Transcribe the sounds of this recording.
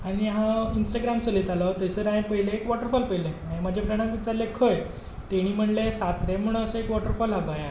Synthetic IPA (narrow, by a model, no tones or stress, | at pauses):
aɽ̃iɦãinsʈaɡɾamt͡səlet̪alət̪əjsəɾãjẽpəɦileːkʋɔʈəɾfɔlpəɦileãẽmad͡ʑʱepɾəɳ̃ãmʋit͡ɕaɾlekʰəj | t̪eɽ̃iːm̤əɳlesat̪ɾem̤uɽəsəekʋɔʈəɾfɔlɦaɡaja